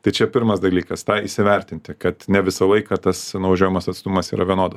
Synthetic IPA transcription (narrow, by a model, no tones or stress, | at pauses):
t̪ɐɪt͡ʃʲɛpʲɪɾmɐsd̪ɐlʲiːkɐst̪ɑːisʲɪʋʲɛɾʲt̪ʲɪnʲt̪ʲɪkɐt̪nʲɛʋʲɪsɐlˠɐɪkɐt̪ɐsnʊʋɐʒʲoːʋʲɪmɐsɐt̪st̪ʊmɐsḭːɾɐʋʲiɛnoːd̪ɐss